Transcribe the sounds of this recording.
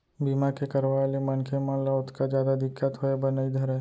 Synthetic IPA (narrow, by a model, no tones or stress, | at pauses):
biːmakekɐɾʋaːelemɐnkʰemə̃laʊt̪ʰkad͡ʒjaːd̪ad̪ɪkːət̪ɦoebɐnaid̪ʱɐɾɛ